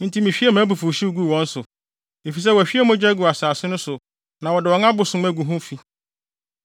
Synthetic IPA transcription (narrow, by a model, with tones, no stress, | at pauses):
n̩˦tʰi˦mĩ˨fᶣi˦e˦mãː˨˦bu˨fu˨ɕi˦wu˦ɡu˦˨wɔ̃˦n̩˦sʊ˨ | e˨fi˨s̬ɛ˦wɔ˨æ˨ɕᶣi˦e˦˨mʊ̃˦d͡ʑᶣɛ˦ɡu˨a˨saː˨sɪ˦nʊ̃˦sʊ˨ | nã˨wɔ˨dɪ˨wɔ˨ŋã˦bʊ˨sʊ̃˦m˦æ˦ɡu˨ɦʊ̃˦fi˨